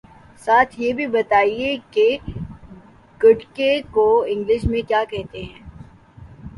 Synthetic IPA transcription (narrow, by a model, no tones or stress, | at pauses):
saːt̪ʰjebʱibɐt̪aːieke | ɡɐʈkekoɪ̃ŋɡlɪʃmẽkjaːkɛɦt̪eɦɛ̃ː